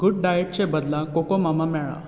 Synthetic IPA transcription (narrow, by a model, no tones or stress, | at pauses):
ɡuɖɖajeʈ̚t͡ɕẽbəd̪lakokɔmamamɛɭa̰